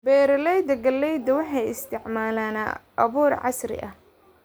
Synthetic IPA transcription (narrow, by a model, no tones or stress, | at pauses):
bɛːɾɐlɛjd̪ɐɡɐlːɛjd̪ɐwɑħɑjɪst̪ʰɪʕmaːlaːna̰ʔɐβuːrʕɑ̰srɪ̰ʔɐh